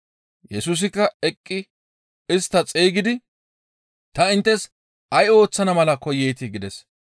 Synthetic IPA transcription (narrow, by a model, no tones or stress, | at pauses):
jɛsus̬ɪkːɐɛkʼːɪ | ɪst̪ːɐt͡sʼeːɡɪd̪ɪ | t̪ɐɪnt̪ːɛs | ɐjo̞ːt͡sːɐnɐmɐlɐkɔjeːt̪ɪɡɪd̪ɛs